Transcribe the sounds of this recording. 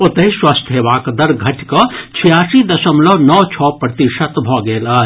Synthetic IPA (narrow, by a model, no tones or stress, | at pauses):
ot̪əɦiswast̪ʰɦeʋaːkd̪ɐɾɡʱɐʈkɔt͡ʃʰijaːsid̪ɐsəmlɔnɔːt͡ʃʰɔːpɾət̪iʃət̪bʱɔɡeːla